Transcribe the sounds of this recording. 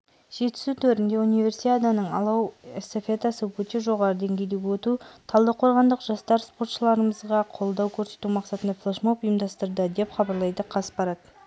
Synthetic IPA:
ʒ̥e̞t̪ɪ̥sut̪ʰɵɾɪnd̪eunijvʲe̞ɾsit̪ʲed̪anəɴɑ̰lˠɑwesofʲet̪asəwɵt̪e̞ʒo̞ʁɑɾəd̪e̞ŋɡʲe̞jd̪e̞ɡʲwɵt̪ut̪ʰɑlˠd̪əqʰo̞ɾʁɑnd̪əqʒɑst̪ɑɾspo̞rt̪ʃəlˠɑɾəməzʁɑqʰo̞lˠd̪ɑwkʲʰɵɾse̞̥t̪umɑqsɑt̪ənd̪ɑflˠeʃmopʊjəmd̪ɑst̪əɾd̪əd̪e̞pχɑbɑɾlˠɑjd̪əqʰɑsə̥pɑɾɑd̪̥ə

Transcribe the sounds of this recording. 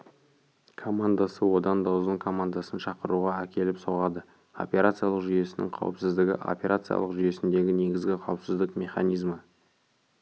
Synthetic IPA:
kʰo̞mand̪asəwo̞d̪ɑnd̪ɑwzəŋkʰo̞mand̪asənʃɑqəɾuʁɑækʲe̞lɪpso̞ʁɑd̪ə | o̞̰pʲe̞ɾat̪sɨjalˠəqʒʏje̞sɪnɪ̰ŋqʰɑ̰wəpsɪzd̪ɪɡʲɪ̰ʔo̞̰pʲe̞ɾat̪sɨija̰lˠəqʒʏje̞sɪnd̪e̞ɡʲɪne̞ɡʲɪzɡʲɪqʰɑwəpsɪzd̪ɪqmʲe̞χɑnijzmə

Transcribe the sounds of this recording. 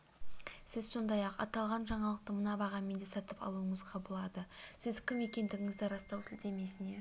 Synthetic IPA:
sɪzso̞nd̪ɑjɑqɑ̰t̪ɑlˠʁɑnʒɑɴɑlˠəq̚t̪əmənɑbɑʁɑme̞nd̪esɑt̪əpɑ̰lˠuəɴəzqʰɑbəlˠɑd̪əsɪzkʲʰɪme̞kʲe̞nd̪ɪɡʲɪŋɪzd̪ɪɾɑst̪ɑwsɪld̪e̞me̞sɪne̞

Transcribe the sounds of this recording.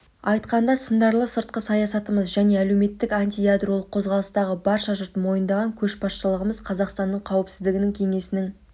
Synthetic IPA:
ɑjt̪qɑnd̪ɑsənd̪ɑɾlˠəsəɾt̪̚qəsɑjɑsɑt̪əməzʒæne̞æle̞wme̞t̪ːɪkanʲt̪ijad̪ro̞lˠəqʰːo̞zʁɑlˠəst̪ɑʁəbɑɾʃɑʒʊɾt̪mo̞jənd̪ɑʁɑŋkʲʰɵʃbɑsʃəlˠəʁəməzqʰɑzɑqst̪ɑnːəɴqʰɑwəpsɪzd̪ɪɡʲɪnɪŋkʲʰe̞ŋe̞sɪnɪŋ

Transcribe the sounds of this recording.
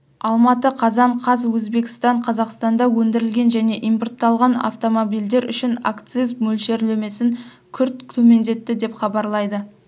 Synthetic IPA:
ɑlˠmɑt̪əqʰɑzɑɴqʰɑzwɵzbe̞kʲɪ̥st̪ɑɴqʰɑzɑqst̪ɑnd̪ɑwɵnd̪ɪɾɪlɡʲe̞nʒæne̞ʔijmport̪ːɑlˠʁɑna̰ft̪o̞mo̞bijld̪e̞ɾʏ̰ʃɪna̰kt̪sizmɵlʃe̞ɾlɵme̞sɪŋ | kʲʰʏɾt̪̚t̪ʰɵme̞nd̪e̞t̪ːɪd̪e̞pχɑbɑɾlˠɑjd̪ə

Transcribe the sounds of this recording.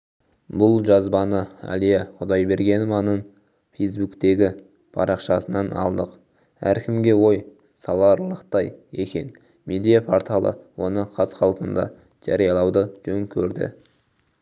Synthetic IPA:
bʊlˠʒɑzbɑnəæ̰lijɑqʰʊd̪ɑjbe̞ɾɡʲe̞nmɑnən | fejs̬bukt̪e̞ɡʲɪ | pʰɑ̰ɾʔɑqʃɑsənɑnɑ̰lˠd̪əq | æ̰ɾkʲʰɪmɡʲe̞wo̞j | sɑlˠɑɾlˠəqt̪ɑje̞kʲe̞̰n | me̞d̪ijapʰoɾt̪ʰɑlˠʔə̰wo̞nəqʰɑsqʰɑlˠpənd̪ɑ̰ | ʒ̥ɑɾijɑlˠɑwd̪əʒ̥ɵŋkʲʰɵɾd̪ɪ̰

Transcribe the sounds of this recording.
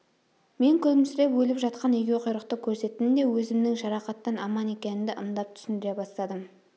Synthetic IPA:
me̞ŋkʲʰɵlmɪsɾe̞pwɵlɪpʒɑt̪qɑnijɡʲeqʰʊjɾəqt̪əkʲʰɵɾse̞t̪ɪnɪd̪e̞wɵzɪmnɪŋʒɑɾɑqɑt̪ːɑnɑmɑne̞kʲe̞nɪnd̪ɪʔənd̪ɑp̚t̪ʰʏ̥sɪnd̪ɪɾe̞bɑst̪ɑd̪əm

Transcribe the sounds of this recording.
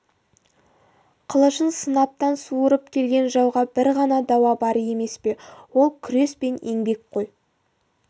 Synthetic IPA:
qʰəlˠəʃənsənɑp̚t̪ɑnsuəɾəp̚kʲʰe̞lɡʲe̞nʒɑwʁɑbɪɾʁɑnɑd̪ɑwɑbɑɾəe̞me̞spe̞wo̞lˠkʲʰʏɾe̞spe̞neŋbe̞k̚qʰo̞j

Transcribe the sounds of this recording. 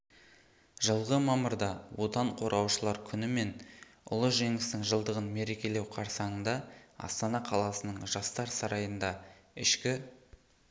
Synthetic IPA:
ʒəlˠʁəmɑməɾd̪ɑwo̞t̪ɑɴqʰo̞ɾɑwʃəlˠɑɾkʲʰʏnɪme̞nʊ̰lˠəʒe̞ŋɪst̪ɪŋʒəlˠd̪əʁənme̞ɾe̞kʲe̞le̞wqʰɑɾsɑɴənd̪ɑɑ̰st̪ɑnɑqʰɑlˠɑsənəɴʒɑst̪ɑɾsɑɾɑjənd̪ɑɪʃkʲɪ

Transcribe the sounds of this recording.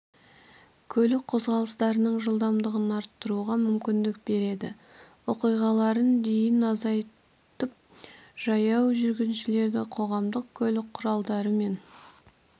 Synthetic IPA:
kʲʰɵlɪk̚qʰo̞zʁɑlˠəst̪ɑɾənəɴʒəlˠd̪ɑmd̪əʁənɑɾt̪ːəɾuʁɑmʏmkʲɪnd̪ɪk̚be̞ɾe̞d̪ɪ̰ | wo̞qijʁɑlˠɑɾənd̪e̞jɪnɑzɑj | t̪əp̚ʒ̥ɑjɑwʒʏɾɡʲɪnʃɪle̞ɾd̪ɪqʰo̞ʁɑmd̪əq̚kʲʰɵlɪk̚qʰːʊɾɑlˠd̪ɑɾəme̞n

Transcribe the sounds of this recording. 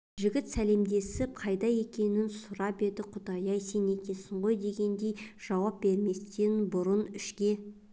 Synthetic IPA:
ʒɪɡʲɪt̪sæle̞md̪e̞sɪp̚qʰɑjd̪ɑje̞kʲe̞nɪnsʊɾɑpe̞d̪ɪqʰʊd̪ɑjɑjse̞ne̞kʲe̞sɪɴʁo̞jd̪e̞ɡʲe̞nd̪e̞jʒ̥ɑwɑp̚be̞ɾme̞st̪e̞nbʊɾənʏʃkʲe̞

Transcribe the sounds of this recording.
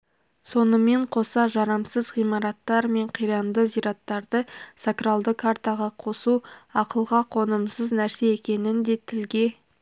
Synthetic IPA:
so̞nəme̞ɴqʰo̞sɑʒɑɾɑmsəzʁijmɑɾɑt̪ːɑɾme̞ɴqʰijɾɑnd̪əzijɾɑt̪ːɑɾd̪əsakralˠd̪əkʰːaɾt̪aʁɑqʰo̞suɑqəlˠʁɑqʰo̞nəmsəznæɾse̞ekʲe̞nɪnd̪e̞t̪ʰɪlɡʲe̞

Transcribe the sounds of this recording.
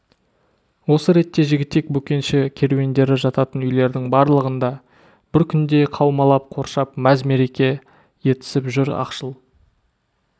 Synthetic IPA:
wo̞səɾe̞t̪ːe̞ʒɪɡʲɪt̪ːe̞k̚bɵkʲe̞nʃɪkʲʰe̞ɾwe̞nd̪e̞ɾɪʒɑt̪ɑt̪ənʏjle̞ɾd̪ɪŋbɑɾlˠəʁənd̪ɑ | bɪɾkʲʰʏnd̪e̞qʰɑwmɑlˠɑp̚qʰo̞ɾʃɑpmæzme̞ɾe̞kʲe̞ | je̞t̪ɪ̥sɪpʒʏɾɑ̰qʃəlˠ

